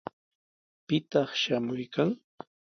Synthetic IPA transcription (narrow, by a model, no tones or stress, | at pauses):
pɪt̪ɑχʃamʊjkaŋ